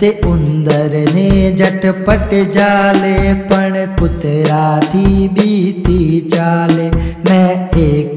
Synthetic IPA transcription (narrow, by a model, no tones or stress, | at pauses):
t̪eʊ̃nd̪əɾned͡ʒɐʈpəʈed͡ʒaːlepɐɳpʊt̪ɾaːt̪ʰibʱiːt̪iːt͡ʃaːleːmɛ̃ːeːk